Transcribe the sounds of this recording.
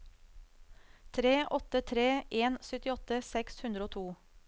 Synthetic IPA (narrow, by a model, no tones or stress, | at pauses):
t̪ʰɾeːʔɔt̪ət̪ʰɾeːʔeːnsœt̪ɪɔt̪əsɛkshʉnd̪ɾəoːt̪ʰuː